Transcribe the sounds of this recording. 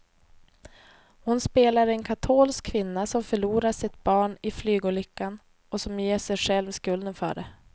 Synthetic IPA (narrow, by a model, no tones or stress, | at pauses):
hʊnspeːlaɾɛnkʰat̪ʰoːlskʰːvɪnːasɔmfœɭuːɾaʂɪt̪̚b̥ɑːɳɪflyːɡʊlɪkːan | ɔsɔmjeːʂɛjɧɛlvskɵld̪ənfœ̰ːɖɛ